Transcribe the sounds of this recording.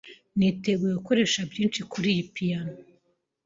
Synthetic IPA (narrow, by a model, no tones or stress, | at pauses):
niteɡwejeɡuko̞ɾe̞ʃabjiːnt͡ʃikuɾijipijano